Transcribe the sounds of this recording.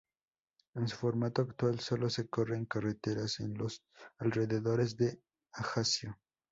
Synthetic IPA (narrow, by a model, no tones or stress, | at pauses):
ensu̥fo̞ɾmat̪oakt̪walso̞lo̞seko̞reŋkaret̪eɾasenlos | alre̞ðeðo̞ɾezðe̞ | axasjo